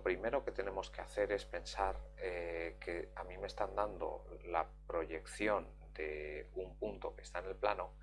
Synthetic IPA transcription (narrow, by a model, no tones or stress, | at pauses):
opɾime̞ɾo̞ke̞t̪e̞ne̞mo̞skeaθe̞ɾe̞spe̞nsaɾeke̞amime̞st̪and̪and̪o̞̰la̰ | pɾo̞ʝe̞kθjo̞n | d̪e̞umpunt̪o̞ke̞̥st̪aene̞lplano̞